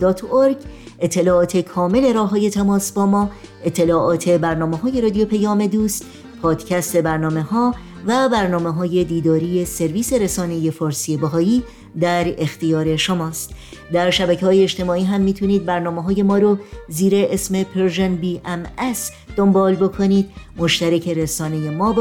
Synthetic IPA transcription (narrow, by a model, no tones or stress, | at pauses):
d̪ɒːt̪ʰoɾɡ | et̪ʰːe̞lɒːɒːt̪ʰe̞kʰɒːme̞le̞ɾɒːɦɒːje̞t̪ʰæmɒːsbɒːmɒː | e̞t̪ʰːe̞lɒːʔɒːt̪ʰe̞bæɾnɒːmeɦɒːjeɾɒːd̪ijo̞pʰejɒːme̞d̪uːst̪ | pʰɒːd̪̥cʰæst̪e̞bæɾnɒːme̞hɒː | væbæɾnɒːmeɦɒːje̞d̪iːd̪ɒːɾije̞se̞ɾviːse̞ɾesɒːne̞je̞fɒɾsiebæɦɒːjiː | d̪æɾe̞xt̪ijɒːɾe̞ʃomɒːst̪ | d̪æɾʃæbæcʰeɦɒːjeːʃt̪e̞mɒːiːɦæmːiːt̪ʰuniːd̪̚bæɾnɒːmeɦɒːje̞mɒːɾoziːɾe̞ʔesme̞pʰeɾʒenbiːʔæmæs | d̪̥o̞mbɒːlbo̞kʰo̞niːd̪mo̞ʃt̪æɾecʰe̞ɾesɒːne̞jemɒːb